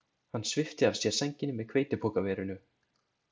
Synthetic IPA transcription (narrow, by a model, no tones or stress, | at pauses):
hanːsvɪft̪ɪav̥sjɛ̥sɛɲcɪnɪmɛðkʰveːjt̪ɪpʰɔːkavɛːɾʏnʏ